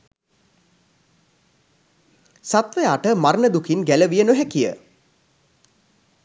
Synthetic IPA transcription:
sat̪ʋəjaːʈəmaɾnəd̪ukʰinɡæləʋijənoɦækijə̰

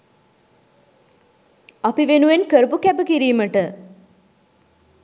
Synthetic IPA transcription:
apiʋenuʋenkəɾəpukæbəkiɾiːməʈə

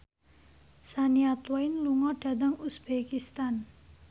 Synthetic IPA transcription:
saniat̪wɔjnluŋɔɖ̥ä̤d̪əŋusb̥ekist̪an

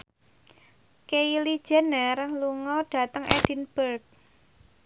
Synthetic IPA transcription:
keili̥d͡ʒ̥ɛ̤nərluŋɔɖ̥a̤t̪əŋʔɛd̥i̤nb̥ərk̚

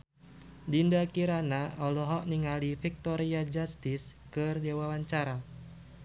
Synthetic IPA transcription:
dindakiɾanaɔlɔɦɔʔniŋalifik̚t̪ɔɾiad͡ʒast̪ɪs | kɨrdewawaɲt͡ʃaɾa

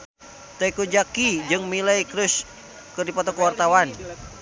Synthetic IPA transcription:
t̪aikud͡ʒakid͡ʒɨŋmilajkɾus | kɨrdipɔt̪ɔkəwart̪awan

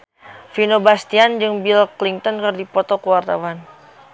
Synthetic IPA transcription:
finobast̪iand͡ʒɨŋbilkliŋt̪ɔnkɨrdipɔt̪ɔkuwart̪a̰wan

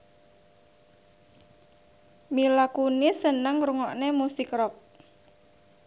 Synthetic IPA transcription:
milakunisənəŋɾuŋɔʔnemusikrɔk̚

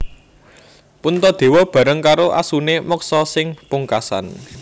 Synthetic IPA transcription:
punt̪ɔd̪̥e̤wɔb̥a̤ɾəŋkaɾoʔa̰sunemɔksɔsɪŋpuŋkasa̰n

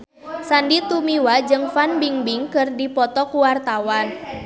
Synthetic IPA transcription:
sandit̪umiwad͡ʒɨŋfanbiŋbiŋkɨrdipɔt̪ɔkuwart̪awan

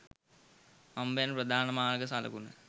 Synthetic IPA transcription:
ɐmbejnprɐd̪ʱaːnɐmaːlɡɐsalɐ̰kunɨ̰

